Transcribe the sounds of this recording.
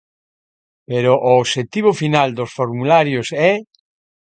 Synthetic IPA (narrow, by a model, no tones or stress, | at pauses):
peɾʊʔoːʃet̪iβʊfinald̪osfoɾmulaɾjʊsɛ